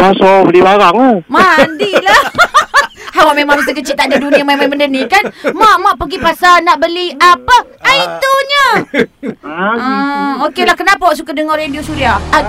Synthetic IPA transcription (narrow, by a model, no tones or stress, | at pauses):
masobəlibaɾaŋamaandila | hawaʔmemãŋbit̪əkət͡ʃiʔt̪aʔdaduniamajmajməndənikanmãʔmaʔpəɡipasanaʔbəliapə | ait̪uɲə | əokelahkənapawʔs̬ukadəŋarɾediosuɾiaa